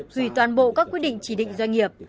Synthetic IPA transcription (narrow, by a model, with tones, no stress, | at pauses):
hi˧˩t̪waː˨˩nɓo̰˧˨kaː˦˥k̚ːwt̚ɗḭ˧˨ŋ̟t͡ɕi˧˩ɗḭ̈˧˨ŋzwa˧ŋ̟ŋi˨˩əp̚